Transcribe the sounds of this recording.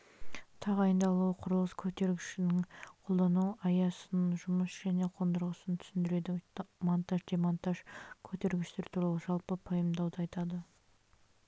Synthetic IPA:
t̪ʰɑʁɑjənd̪ɑlˠuəqʰʊɾlˠəskʲʰɵt̪e̞ɾɡʲɪʃɪnɪŋqʰo̞lˠd̪ɑnuɑjɑsənʒʊməsʒ̥æne̞qʰo̞nd̪əɾʁəsənt̪ʰʏ̥sɪnd̪ɪɾe̞d̪ɪmant̪ɑʒd̪emant̪ɑʒkʲʰɵt̪e̞ɾɡʲɪʃt̪e̞ɾt̪ʰuɾɑlˠəʒɑlˠpəpʰɑjəmd̪ɑwd̪əɑjt̪ɑd̪ə

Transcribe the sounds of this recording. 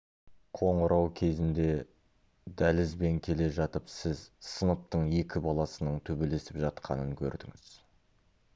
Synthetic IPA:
qʰo̞ɴəɾʔɑwkʲʰe̞zɪnd̪e̞ | d̪ælɪzbe̞ŋkʲʰe̞le̞ʒɑt̪əpsɪzsənəp̚t̪əɴje̞kʲɪbɑlˠɑsənəɴt̪ʰɵbe̞le̞sɪpʒɑt̪qɑ̰nəŋkʲʰɵ̰ɾd̪ɪ̰ŋɪ̰z̥

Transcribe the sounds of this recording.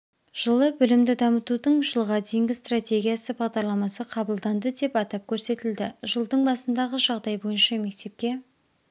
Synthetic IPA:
ʒ̥əlˠəbʏlɪmd̪ɪd̪ɑmət̪ud̪əɴʒəlˠʁɑd̪ejɪŋɡʲɪst̪rat̪ʲe̞ɡʲijasəbɑʁd̪ɑɾlˠɑmɑsəqʰɑbəlˠd̪ɑnd̪əd̪e̞pɑt̪ɑp̚kʲʰɵɾse̞t̪ɪld̪ɪʒəlˠd̪əɴbɑsənd̪ɑʁəʒɑʁd̪ɑjbo̞jənʃɑme̞k̚t̪e̞p̚kʲe̞

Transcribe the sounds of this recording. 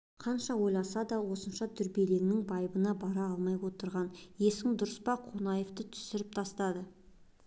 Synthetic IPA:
qʰɑnʃɑwo̞jlˠɑsɑd̪ɑwo̞sənʃɑt̪ʰʏɾbe̞le̞ŋnɪŋbɑjbənɑbɑɾɑɑlˠmɑjwo̞t̪əɾʁɑnje̞sɪŋd̪ʊɾəspɑqʰonɑje̞ft̪ət̪ʰʏ̥sɪɾɪp̚t̪ʰɑst̪ɑd̪ə

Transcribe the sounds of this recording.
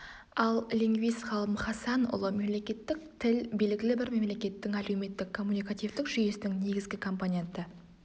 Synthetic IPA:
ɑlˠliŋɡvijsχɑlˠəmχɑsɑnʊ̰lˠəme̞mle̞kʲe̞t̪ːɪk̚t̪ʰɪlbe̞lɡʲɪlɪbɪɾme̞mle̞kʲe̞t̪ːɪŋæle̞wme̞t̪ːɪkʰːo̞mːunikat̪ijvd̪ɪkʒʏje̞sɪnɪŋne̞ɡʲɪzɡʲɪkʰo̞mponʲe̞nt̪ə

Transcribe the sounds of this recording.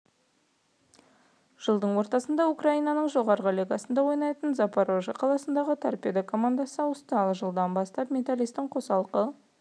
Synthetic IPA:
ʒ̥əlˠd̪əɴwo̞ɾt̪ɑsənd̪ɑukraijnɑnəɴʒo̞ʁɑɾʁəlʲeɡɑsənd̪ɑwo̞jnɑjt̪ənzapaɾoʒɑqʰɑlˠɑsənd̪ɑʁət̪ʰa̰rpʲed̪akʰo̞mand̪asəwəst̪ɑlˠəʒəlˠd̪ɑnbɑst̪ɑpmʲe̞t̪alijst̪ɪɴqʰo̞sɑlˠqə

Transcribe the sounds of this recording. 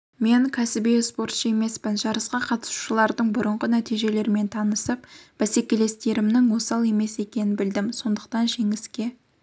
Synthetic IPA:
me̞ŋkʲʰæsɪbijspo̞ɾt̪ʃəe̞me̞spɪnʒɑɾəsqɑqʰɑt̪ə̥su̥ʃəlˠɑɾd̪əɴbʊɾəɴʁənæt̪ijʒe̞le̞ɾme̞nt̪ʰɑnəsəp̚b̥æse̞kʲe̞le̞st̪e̞ɾɪmnɪŋwo̞sɑlˠe̞me̞se̞kʲe̞nɪnbɪld̪ɪmso̞nd̪əq̚t̪ɑnʒe̞ŋɪskʲe̞

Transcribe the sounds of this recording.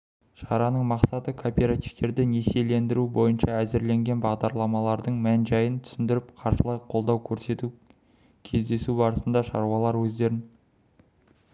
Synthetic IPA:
ʃɑ̰ɾɑnəɴmɑqsɑt̪əkʰoːpʲe̞ɾat̪ivt̪e̞ɾd̪ɪne̞se̞le̞nd̪ɪɾubo̞jənʃɑæzɪɾle̞ŋɡʲe̞nbɑʁd̪ɑɾlˠɑmɑlˠɑɾd̪əɴmænʒɑjənt̪ʰʏ̥sɪnd̪ɪɾɪpqʰɑɾʃəlˠɑjqʰo̞lˠd̪ɑwkʲʰɵɾse̞t̪u | kʲʰe̞zd̪e̞subɑɾəsənd̪ɑʃɑ̰ɾwɑlˠɑɾwɵzd̪e̞ɾɪn

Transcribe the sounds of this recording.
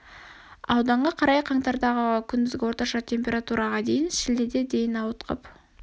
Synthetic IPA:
ɑ̰wd̪ɑɴʁɑqʰɑɾɑjqʰɑɴt̪ɑɾd̪ɑʁəkʲʰʏnd̪ɪzɡʲɪwo̞ɾt̪ɑʃɑt̪ʰe̞mpʲe̞ɾat̪uɾʔɑʁɑd̪e̞jɪnʃɪld̪ed̪e̞d̪e̞jɪnɑwət̪qʰə̰p

